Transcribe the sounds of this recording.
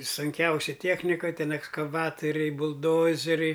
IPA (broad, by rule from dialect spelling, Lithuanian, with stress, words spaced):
sʊŋʲˈkʲɛʊsʲɪ ˈtʲiɛxʲnʲɪkɐ ˈtʲɛn ɛkskɐˈʋɑːtoːrʲɛɪ bʊlˠˈdoːzʲɛrʲɛɪ